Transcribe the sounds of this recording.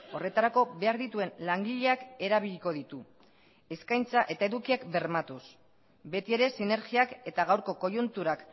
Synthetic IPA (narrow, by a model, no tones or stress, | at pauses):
o̞re̞t̪aɾako̞βe̞aɾðit̪ue̞nlaŋɡiʎe̞ake̞ɾaβ̞iʎko̞ðit̪u | e̞skajnt͡saʔe̞t̪ae̞ðukiakbe̞ɾmat̪us | be̞t̪ie̞ɾe̞sine̞ɾɣiake̞t̪aɣawɾko̞ko̞junt̪uɾak